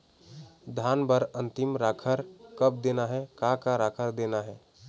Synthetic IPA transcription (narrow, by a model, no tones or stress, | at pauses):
d̪ʱaːnbəɾə̃nt̪ɪmɾakʰəɾkəp̚d̪enaɦɛkakaɾaːkʰəɾd̪enaɦɛː